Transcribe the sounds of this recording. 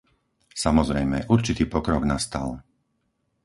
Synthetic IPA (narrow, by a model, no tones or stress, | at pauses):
samɔzɾɛjmɛʔuɾt͡ʃit̪iːpɔkɾɔɡnast̪a̰l